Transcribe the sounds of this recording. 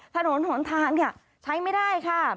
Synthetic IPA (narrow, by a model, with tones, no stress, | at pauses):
t̪ʰa˧no˨˩˦nho˩˦nt̪ʰaː˧˩nni˧˩ɐ | t͡ɕʰa˦˥jma˥˩jdaː˥˩jkʰa˥˩